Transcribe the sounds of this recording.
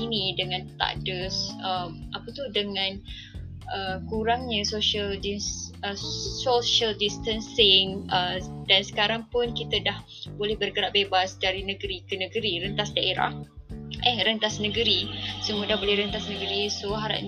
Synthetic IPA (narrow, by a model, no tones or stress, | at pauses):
inĩdəŋãnt̪a̰dəsəmʔapət̪udəŋãn | ʔəkuɾaŋɲə̃soʃiəldiəsoʃəldist̪ənsɪŋədansə̥kaɾaŋpʊnkit̪ədah | bolɛhbərɡəɾaʔbebasdaɾinəɡəɾikənəɡəɾiɾənt̪asdaʔeɾa̰ʔʔɛhɾənt̪asnəɡəɾisəmudaɦbolɛhɾənt̪asnəɡəɾisoɦaɾa̰ʔ̚ɲ